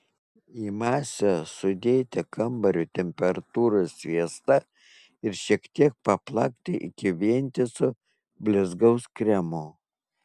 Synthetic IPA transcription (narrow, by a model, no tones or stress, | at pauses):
iːmɑːsʲɛsʊd̪ʲeːt̪ʲɛkʰɐmbɐɾʲʊt̪ʲɛmʲpʲɛɾɐt̪uːɾosʲʋʲiɛst̪ɐ | ɪɾʃʲiɛkt̪ʲiɛk̚pɐplˠɑkt̪ʲɪʔɪ̰kʲɪʋʲiɛnʲt̪ʲɪsʊ | bʲlʲɪzɡɐʊskɾʲɛmo